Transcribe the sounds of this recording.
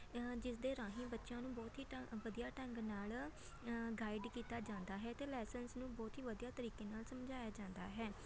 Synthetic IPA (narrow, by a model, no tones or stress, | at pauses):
d͡ʒɪsd̪eːɾãːɦĩːbətːʃjãːnũːbɔːt̪ɦiːʋəd̪ijaːʈɛ̃ŋɡnaːl | ɡaːɪɖkiːt̪aːd͡ʒãːnd̪aːɦɛːt̪eːlɛːsənsnũːbɔːt̪ɦiːʋəd̪ijaːt̪əɾiːkeːnaːlsəmd͡ʒaːjaːd͡ʒãːnd̪a̰ːɦɛː